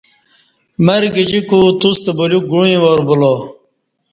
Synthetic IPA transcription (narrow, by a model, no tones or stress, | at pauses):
mɐɾɡid͡ʑikut̪ust̪ebuluk̚ɡuĩwoɾbulo